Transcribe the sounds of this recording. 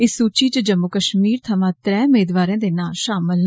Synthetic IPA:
ɪssːuːt͡ʃiːt͡ʃd͡ʒəmːʊkəʃmiːɾt̪ʰəmãːt̪ɾɛːmeːd̪ʋaːɾẽːd̪eːnaːlʃaːməln

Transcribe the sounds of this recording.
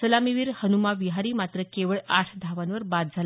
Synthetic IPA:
səlamiʋiːɾhənumaʋiɦaɾiːmat̪ɾəkeʋəɭaʈʰd̪ʱaʋanʋəɾbad̪̚d͡zʱal

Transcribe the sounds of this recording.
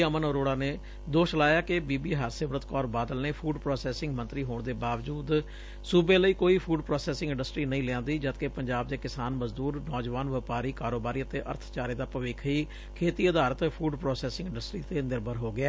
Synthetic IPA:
əmənoɾoːɽaːneː | d̪oːʃlaːjaːkɪbiːbiːɦaːɾseːʋɾət̪kɔːɾbaːd̪əlneːpʰuːɖpɾɔːsɛːsɪ̃ŋɡmə̃nt̪ɾiːɦoːɳ̃d̪eːbaːʋd͡ʒuːd̪ | suːbeːləiːkoːiːpʰuːɖpɾɔːsɛːsɪ̃ŋɡɪ̃ɳɖəsʈɾiːnəĩːlɪãːnd̪iːd͡ʒət̪kepəɲd͡ʒaːb̚d̪eːkɪsaːnməzd̪uːɾnɔːd͡ʒʋaːnʋɪpaːɾiːkaːɾoːbaːɾiːət̪eːʔə̰ɾt̪ʰt͡ʃaːɾeːd̪aːpəʋɪːkʰiː | kʰeːt̪iːəd̪aːɾət̪pʰuːɖpɾɔːsɛːsɪ̃ŋɡɪ̃ɳɖəsʈɾiːt̪eːnɪɾbəɾɦoːɡɪaː

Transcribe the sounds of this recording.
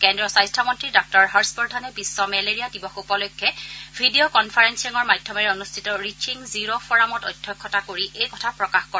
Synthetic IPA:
kɛndɹɔsajstʰamɔntɹidɔk̚tɔɹɦaɹsbɔɹdʱanɛbisːɔmɛleɹijadibɔxupɔlɔjkʰːɛbʱidiokɔnpʰaɹɛnsiŋɔɹmajdʱjɔmɛɹɛonustʰitɔɹit͡ʃʰiŋziɹofɔɹamɔtɔjdʱjɔkʰːɔtakoɹiʔejkɔtʰapɹɔkaxkɔɹ

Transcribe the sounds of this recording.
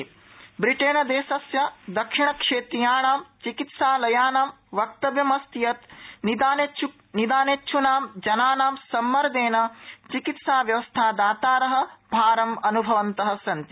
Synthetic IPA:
bɾiʈeːnɐd̪eːsɐsjɐd̪ɐkʂiɳ̃ɐkʂeːt̪ɾijaːɳaːmt͡ʃikit̪saːlɐjaːnaːm | ʋɐk̚t̪ɐʋjɐmɐst̪ijɐt̪nid̪aːnet͡ʃʰu | nid̪aːneːtːʃʰunaːmd͡ʒɐnaːnaːmsɐmːɐɾɐd̪eːnɐt͡ʃikit̪saːʋjɐʋɐst̪ʰaːd̪aːt̪aːɾɐɦɐ̆bʱaːɾɐmɐnubʱɐʋɐnt̪ɐɦɐ̆sɐnt̪i

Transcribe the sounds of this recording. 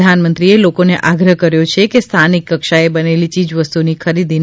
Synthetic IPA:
anmənt̪ɾielokoneʔaɡɾəɦkəɾjot͡ʃʰekest̪ʰanikːəkʃaebənelit͡ʃid͡ʒʋəst̪unikʰəɾid̪in

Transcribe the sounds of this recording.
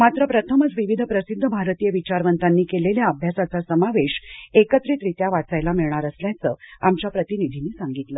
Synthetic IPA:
mat̪ɾəpɾət̪ʰəməd͡zʋiʋid̪ʱəpɾəsid̪ʱːəbʱaɾət̪ijəʋit͡ɕaɾʋənt̪anːiːkeleljaəbʱjasat͡sasəmaʋeɕekət̪ɾit̪ɾit̪jaʋat͡sajlamiɭɳaɾəsljat͡səamt͡ɕapɾət̪inid̪ʱiniːsaŋɡit̪lə

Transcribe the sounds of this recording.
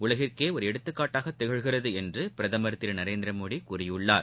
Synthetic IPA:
ʊɭɐɣɪrkeːɔɾɯɛɽɯt̪ːɯkːaːʈːaːɣɐt̪ːɛɣɐɻɣɪrɐðɯɛndrɯpɪɾɐðɐmɐɾɐt̪ːɪɾɐnɐɾeːnd̪ɪɾɐmoːɽikʊrɪjɯɭːa̰ːɾ

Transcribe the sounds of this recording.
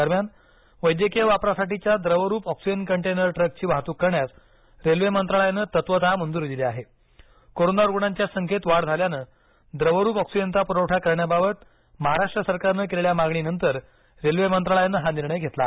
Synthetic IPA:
d̪əɾmjan | ʋəjd̪jəkiəʋapɾasaʈit͡ɕjad̪ɾəʋəɾuːpɔksid͡ʑənkəɳʈenəɾʈɾək̚t͡ɕiːʋaɦt̪uːkːəɾɳjat̪ | ɾelʋemənt̪ɾaɭəjanəːt̪ət̪ʋət̪amənd̪uɾd̪ileaɦe | koɾonaɾuɡɳaɲt͡ɕjasəŋkʰet̪ʋaɽd͡z̪ʱaljanəː | d̪ɾəʋəɾuːpɔksid͡ʑənt̪apuɾəwʈʰakəɾɳjababət̪ | məɦaɾaʂʈɾəsəɾkaɾnəkeleɭjamaɡɳinənt̪əɾ | ɾelʋemənt̪ɾaɭəjanːəɦaniɾɳəjɡʱet̪la̰

